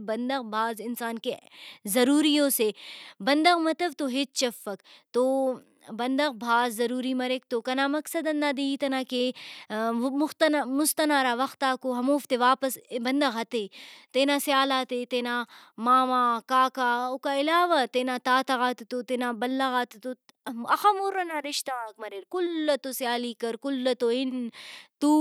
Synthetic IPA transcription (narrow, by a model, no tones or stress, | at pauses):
bɐnd̪ɐɣbʱaːzɪnsaːnkezɐɾuːɾijõsebɐnd̪ɐɣmɐt̪ɐʋt̪oɦet͡ʃt͡ʃɐfːɐkt̪o | bɐnd̪ɐɣbʱaːzːɐɾuːɾimɐɾek̚t̪okɐnaːmɐksɐd̪ɐ̃nd̪aːd̪iːit̪ɐnaːke | mʊxt̪nmʊst̪ɐnaːɾaːʋɐxt̪aːkoɦɐmoːft̪eʋaːpəsbɐnd̪ɐɣɦɐt̪et̪eːnaːsjaːlaːt̪et̪eːnamaːmãːkaːkaʊkaɪlaːʋat̪eːnaːt̪aːt̪ɐɣaːt̪t̪ot̪enabɐlːɐɣaːt̪t̪o | ɐxɐmuɾɐnaɾɪʃt̪aːkmɐɾeːɾkʊlːɐt̪osjaːliːkɐɾkʊlːɐt̪oɪnt̪u